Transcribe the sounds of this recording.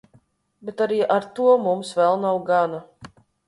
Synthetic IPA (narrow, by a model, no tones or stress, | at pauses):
bet̪aɾiːʔaɾt̪uɔmumsvɛlˠnawɡana